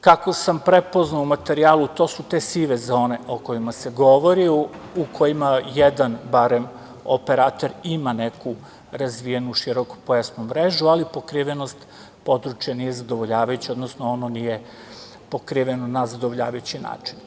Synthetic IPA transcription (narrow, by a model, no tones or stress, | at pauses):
kako̞sampɾepo̞znaumat̪e̞ɾiaːlˠut̪o̞sut̪e̞siʋe̞zo̞ːne̞ʔoko̞jimase̞ɡo̞ʋo̞ɾiukʰo̞jimajed̪anbaɾe̞m | ope̞ɾaːt̪oɾimane̞ku | ɾazʋijenuʃiɾo̞ko̥pojasnumːɾeʒualipo̞kɾiʋeno̞st̪ | po̞d̪ɾut͡ʃjanije̞zad̪o̞ʋoʎaːʋajut͡ɕao̞d̪nosnoononije̞ | pokɾiʋenonazad̪oʋoʎa̰ːʋajut͡ɕina̰ːt͡ʃin